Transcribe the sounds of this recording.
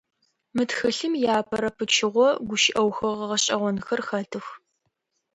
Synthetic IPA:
mɨtxɨɬɨmjaːpʰɐɾɐpʰɨt͡ʃʰɪʁʷɔɡʷʊʃɪʔɐwxɐʁɐʁɐɕʼɐʁʷɔnxɐrxɐtʰɨx

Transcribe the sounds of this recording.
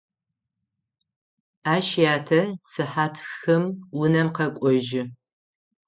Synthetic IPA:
aːʃjaːtʰɐsɨħaːtʰxɐmwʊnɐmqɐkʷʼɔʒɪ

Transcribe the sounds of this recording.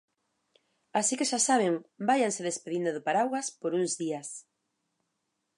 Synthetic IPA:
asikeʃasaβ̞ɪŋbajanseðespeðind̪ʊðopaɾawaspoɾuŋzðias

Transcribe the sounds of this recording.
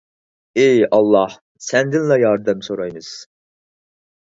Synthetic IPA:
ejɑlˠːɑh | sɛnd̪ɪnlɛjɑɾd̪ɨmsoɾɑjmɨz̥

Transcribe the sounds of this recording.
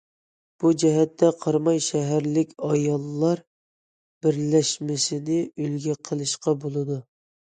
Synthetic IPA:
b̥ud͡ʒɛɦɛt̪ʰːɛqʰɑɾmɑjʃɛɦæɾlɪkʲɑjɑlˠːɑɾ | b̥ɪɾlɛʃmɪsɪnɪylɡʲɛqʰəlˠɨʃqɑbolˠɨd̪u

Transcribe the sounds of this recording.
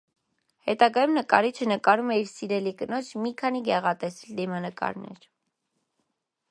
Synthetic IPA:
hɛt̪ɑɡɑjumnəkɑ̰ɾit͡ʃʰənəkɑɾumɛiɾsiɾɛlikənɔt͡ʃʰmikʰɑniɡɛʁɑt̪ɛsild̪imɑnəkɑ̰ɾnɛ̰ɾ

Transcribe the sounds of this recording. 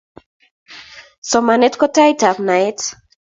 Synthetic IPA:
sɔmanetkɔtajtapnajt

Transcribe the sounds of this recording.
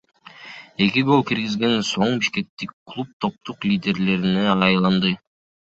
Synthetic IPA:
e̞kʲiɡo̞lˠkiɾɡizɡe̞nso̞ɴbiʃke̞k̚t̪ikːlˠup̚t̪ʰo̞p̚t̪uqlʲidʲe̞ɾle̞ɾineɑjlˠɑnd̪ɯ

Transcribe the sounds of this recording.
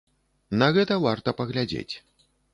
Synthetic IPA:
naɣɛt̪ɐvart̪ɐpɐɣlʲad͡zʲḛt͡sʲ

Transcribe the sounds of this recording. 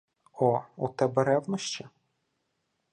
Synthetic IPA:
ɔut̪ɛbɛɾɛwnɔʃt͡ʃi

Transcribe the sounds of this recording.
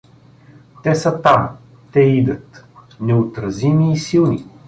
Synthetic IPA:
t̪ɛsət̪am | t̪ɛid̪ət̪ | nɛot̪ɾɐzimiːsilˠni

